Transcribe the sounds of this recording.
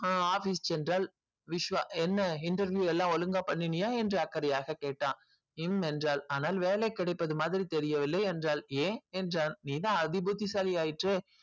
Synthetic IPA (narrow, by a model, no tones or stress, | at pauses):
aːaːfiːst͡ʃɛndraːl | ʋɪʂʋaːɛnːɐɪɳʈɐɾʋjuːɛlːãːɔlɯŋɡaːpɐɳːɪɳɪjaːɛndrɯɐkːɐɾɐjaːɣɐkeːʈːãː | ɪmɛndraːlaːnaːlʋeːlɛkːɪɽɐɪpːɐðɯmaːðɪɾit̪ɛɾɪjɐʋɪlːɐjɛndraːlẽːɛndraːnniːt̪ãːɐðɪbut̪ːisaːlɪjaːjɪʈreː